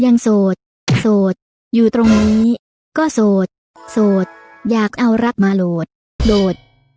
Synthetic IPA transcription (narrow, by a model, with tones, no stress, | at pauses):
ja˧ŋsoː˨˩t̪̚ | soː˨˩t̪̚ | juː˨˩t̪ɾo˧ŋniː˦˥ | kɔː˥˩soː˨˩t̪̚ | soː˨˩t̪̚ | jaː˨˩k̚ʔa˧wɾa˦˥k̚maː˧loː˨˩t̪̚ | loː˨˩t̪̚